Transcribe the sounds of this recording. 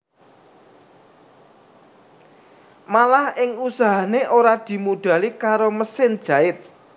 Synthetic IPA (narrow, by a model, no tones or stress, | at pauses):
malahɪŋusaɦaneʔoɾad̪̥i̤muɖ̥a̤likaɾoməsɪnd̥ʒ̥ä̤ɪt̪̚